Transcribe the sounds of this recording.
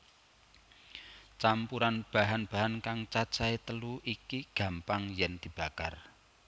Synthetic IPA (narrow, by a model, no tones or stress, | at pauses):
t͡ʃampuɾanb̥a̤ɦanb̥a̤ɦankaŋt͡ʃad̥t͡ʃaet̪əluʔikiɡ̥ä̤mpaŋjɛnd̪̥i̤b̥akar